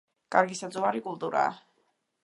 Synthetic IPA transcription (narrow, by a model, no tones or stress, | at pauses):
kʼaɾɡisad̪zʼuaɾikʼulˠt̪ʼuɾa̰ː